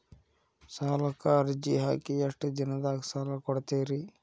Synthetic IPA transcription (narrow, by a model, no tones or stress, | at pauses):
saːlɐkaɾd͡ʒiɦa̰ːkiɐʂʈd̪inɐd̪aːksaːlakɔɽt̪eːɾi